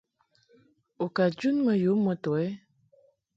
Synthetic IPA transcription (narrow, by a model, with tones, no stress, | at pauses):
o˨ka˨d͡ʒu˦nmə˨ju˨˦mɔ˨tɔ˨ɛ˦